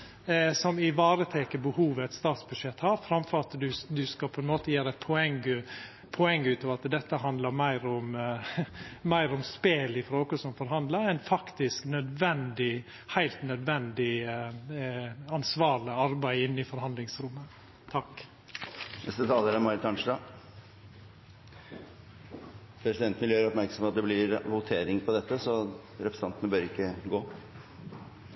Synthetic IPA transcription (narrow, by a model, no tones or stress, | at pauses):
sɔmɪʋɑːɾət̪ʰɛkəbəhuːʋəɛt̪st̪ɑːt̪sbʉʂɛt̪ːhɑːɾfɾɑmfɔɾɑt̪d̪ʉd̪ʉskɑpʰɔɛnmoːt̪əjæːɾɛt̪̚pʰɔɛŋɡə | pʰɔɛŋːʉːt̪ɑʋɑt̪d̪ɛt̪ːəɦɑnd̪ləɾmæɪɾɔm | mæɪɾɔmspeːlɪfɾoːkɔsɔmfɔɾɦhɑnd̪ləɾɛnfɑkt̪ɪsknœd̪ʋɛnd̪ɪ | hæɪlt̪nœd̪ʋɛnd̪ɪ | ɑnsʋɑːɾɭɪɑɾbæɪɪnːɪfɔɾɦɑnd̪lɪŋsɾʉmːə | t̪ʰɑk | nɛst̪ət̪ʰɑːləɾəmɑɾɪt̪ʰɑnʂɖɑː | pʰɾɛsɪd̪ɛnt̪nɪljøːɾɔpmæɾksɔmpɑt̪̚d̪ɛblɪɾʋʊt̪ʰeːɾɪŋpʰɔd̪ɛt̪ːəsɔ | ɾɛpʰɾəsɑnt̪ənəbøːɾɪkːəɡoː